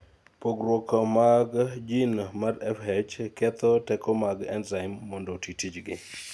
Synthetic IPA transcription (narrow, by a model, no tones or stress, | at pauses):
poɡrwɔkɔmaɡd͡ʒinmaɾɛfhɛd͡ʒkɛt̪ɔtɛkɔmaɡɛ̰nzaɪmːɔndɔtitid͡ʒɡɪ